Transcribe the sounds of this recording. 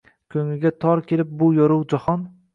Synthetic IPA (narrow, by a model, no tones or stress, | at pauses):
kʲʰɵŋlɪɡʲat̪ʰɒɾkʲʰe̞lɪp̚bʊjɒɾʊwd͡ʒɒhɒn